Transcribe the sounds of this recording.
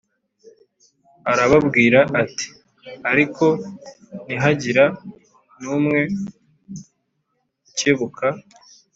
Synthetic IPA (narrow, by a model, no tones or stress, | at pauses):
aɾaβabɡiːɾaʔati̥ | aɾikʰo̞ | niɦaɟiɾa | nuːmŋe̞ | ceβukʰa